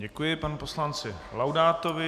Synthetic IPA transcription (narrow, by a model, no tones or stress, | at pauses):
ɟɛkujɪpanupo̞slant͡sɪ | lawdaːt̪ovɪ